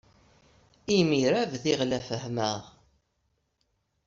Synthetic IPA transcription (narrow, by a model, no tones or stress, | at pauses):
imiɾævθiʁlæfəhməʁ